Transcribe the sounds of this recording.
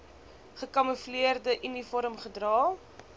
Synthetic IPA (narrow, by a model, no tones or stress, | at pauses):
χəkɐməfliərdəʔynifɔɾəmχədrɑː